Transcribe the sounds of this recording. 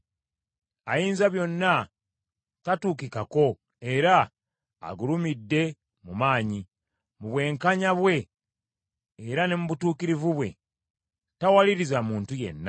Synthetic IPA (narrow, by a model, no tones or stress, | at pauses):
ajiːnzaβjo̞nːa | tatuːk̬ikako̞ | e̞ɾa̰ː | ɡulumidːe̞ | mumaːɲi | muβwe̞ːŋkaɲaβwe̞ | ɾane̞muβutuːkiɾivuβwe̞̰ | tawaliɾizamuːntuje̞̰nːa